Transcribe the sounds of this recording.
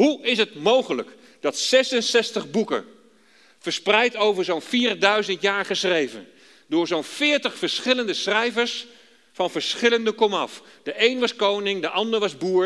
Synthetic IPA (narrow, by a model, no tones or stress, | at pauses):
ɦuɪsətmowχələk | d̥ɑtsɛsənsɛstəχbukə̰ | fəɹsprɛjtowvəɹzownfiːrdœɥzəntjaːɹχəsrejvə̰n | dʊːɹzonfɪːɹtəχfəɹsχɪləndəsrɛjvəɹs | fɑnvəɹsχɪləndəkɔmɑfd̥əʔejnʋɑskownɪŋdəʔɑndəɹʋɑzbuːɹ